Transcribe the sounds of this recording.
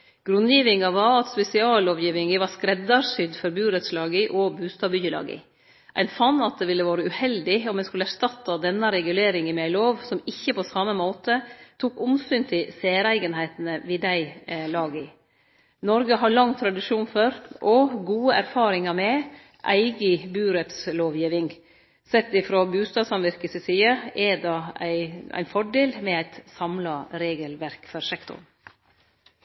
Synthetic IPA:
ɡ̥ɾʉnjiːʋɪŋɑʋɑɾɑt̪spɛsɪɑːloːʋjiːʋɪŋəʋɑskɾɛd̪ɑɾsʏd̪fɔɾbʉːɾət̪slɑːɡəʔɔbʉːst̪ɑːbʏjəlɑ̰ːɡə̰ | ʔæ̰ɪnfɑnːɑt̪̚d̪ɛʋɪlːəʋɑːɾəʉhɛld̪ɪɔmːɛskʉlːəæʂtɑt̪ːɑd̪ɛnːɑɾɛɡʉleːɾɪŋəmæɪloːʋsɔmɪçːəpʰɔsɑməmoːt̪ət̪ʰuːkʊmsyːnt̪ʰɪlseːɾæɪɡənɦæɪt̪nəʋɪd̪æɪlɑːɡə | nɔɾɡəɦɑɭɑŋt̪ʰɾɑd̪ɪʂuːnfɔɾʔɔɡuːəʔæɾfɑːɾɪŋɑmɛ | ʔæ̰ɪɡəbʉːɾɛt̪sloːʋjiːʋɪŋ | sɛt̪ːɪfɾobʉːst̪ɑːd̪sɑnʋɪɾkəsəsiːəɛd̪ɑæɪæ̰ɪnfɔɖeːlmɛæɪt̪sɑmlɑɾeːɡəlʋæɾkfɔɾsɛkt̪ʊ̰ɳ

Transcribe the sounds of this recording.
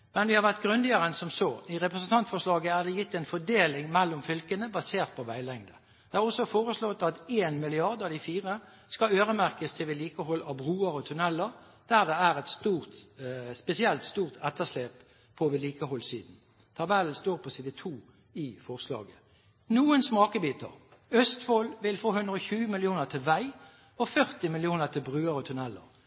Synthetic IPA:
mɛnʋɪhɑɾʋæʁt̪ɡʁʉnd̪ɪəʁənsɔmsɔɪʁɛpɾəsn̩t̪ɑnt̪fɔʂlɑːɡəæɾd̪ɛjɪt̪ːɛɪnfɔɖeːlɪŋmɛlːʊmfʏlkənəbɑseːʁt̪̚pʰɔʋæɪlɛŋd̪ə | d̪̥ɛæʁɔsːɔfoːʁəslɔt̪ːɑt̪eːnmɪlɪɑʁd̪əɑd̪ɪfiːʁə | skɑøːʁəmæʁkəst̪ʰɪlʋɪliːkəɦɔlɑbʁuːəɾɔt̪ʰʉnɛlːəʁ | d̪̥æʁd̪ɛæɾʁɛt̪st̪uːʁt̪spɛsɪɛlt̪st̪uːʁt̪ʰɛt̪əʂleːp | pʰːɔʋɪliːkəɦɔlsiːd̪n̩ | t̪ʰɑbɛlnst̪oːʁpʰɔsiːd̪ət̪ʰuː | ɪfɔʁslɑ̰ːɡə | nuːənsmɑːkəbiːt̪ə̰ʁ | œst̪fɔlʋɪlfoːhʉnd̪ʁəɔçʉːəmɪlɪuːnəʁt̪ʰɪlʋæɪ | ɔfœʁt̪ɪmɪlɪuːnəʁt̪ʰɪlbʁʉːəɾɔt̪ʰʉnɛlːə̰ʁ

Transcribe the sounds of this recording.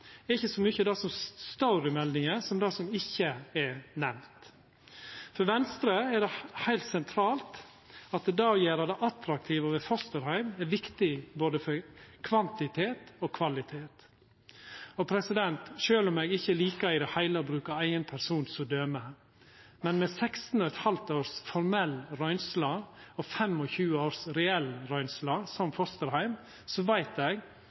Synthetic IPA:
ɛɾɪçːəsɔmyːçəd̪ɑsɔmst̪ɑʊɾɪmɛld̪ɪŋəsɔmd̪ɑːsɔmɪçːəɛɾnɛmt̪ | fɔɾʋɛnst̪ɾəɛɖɛhæɪlt̪sɛnt̪ʰɾɑːlt̪ | ɑt̪̚d̪ɛd̪ɑːɔjeːɾɑd̪ɛʔɑt̪ɾɑk̚t̪ʰiːʋəʋɛfɔst̪əɾhæɪmɛɾʋɪkt̪ɪboːd̪əfɔɾkʰʋɑnt̪ɪt̪ʰeːt̪ɔkʰʋɑlɪt̪ʰeːt̪ | ɔpʰɾɛsɪd̪ɛnt̪ʃøːlɔmeːɡɪçːəliːkɑɪd̪ɛhæɪləbɾʉːkɑæɪənpʰæɾsuːnsɔd̪øːmə | mɛnmɛsɛkst̪n̩ɔɛt̪hɑlt̪oːɾsfɔɾmɛlːɾœʏnslɑɔfɛmɔçʉːəoːɾsɾɛɛlɾœʏnslɑːsɔmfɔst̪əɾhæɪm | sɔʋæɪt̪ɛɡ

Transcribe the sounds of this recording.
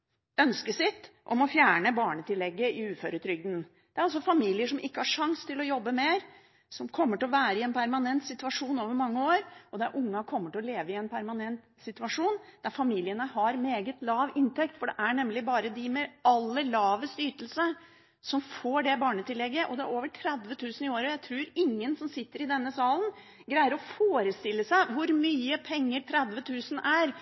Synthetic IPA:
œnskəsɪt̪ːʔɔ̰mɔfjæːɳəbɑːɳət̪ɪlːɛɡːəɪʉːføɾət̪ʰɾʏɡ̚d̪n | d̪̥ɛæɾɔls̬ɔfɑmiːlɪəʂɔmʔɪkːəhɑʂɑŋst̪ʰɪlɔjɔbːəmeːɾ | sɔmkʰɔmːəʈɪlɔʋæːɾəɪɛnpʰæɾmɑnɛnt̪sɪt̪ʉɑʂuːnoːʋəɾmɑŋːəoːɾʔɔd̪æɾʔʊŋːɑkʰɔmːəʈɪlɔleːʋəɪɛnpʰæɾmɑnɛnt̪ | sɪt̪ʉɑʂuːnd̪æɾfɑmiːlɪənəhɑɾmeːɡət̪lɑːʋɪnt̪ɛkt̪fɔɖɛʔæɳɛmːlɪbɑːɾəd̪ɪmɛɑlːəlɑːʋəst̪yːʈəlsə | sɔmfoːɖɛbɑːɳət̪ʰɪlːɛɡːəʔɔd̪ɛæ̰ɾoːʋəʈʰɾɛd̪ʋət̪ʰʉːsən̩ɪoːɾɔjæɪt̪ʰɾuːɾɪŋːənsɔmsɪt̪ːəɾɪd̪ɛnːəsɑːlən | ɡɾæɪəɾɔfoːɾəst̪ɪlːəsæɪʋʊɾmyːəpʰɛŋːəʈʰɾɛd̪ʋət̪ʰʉːsən̩æɾ

